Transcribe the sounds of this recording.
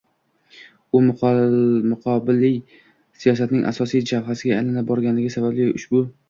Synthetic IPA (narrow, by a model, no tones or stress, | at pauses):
ʊm | mʊqʰɒbɪlːɪj | sijɒs̬at̪nɪŋʔa̰sɒsijd͡ʒavhasɪɡʲaːjlanap̚bɒɾɡʲanlɪɡʲɪsabablɪʊ̰ʃbʊ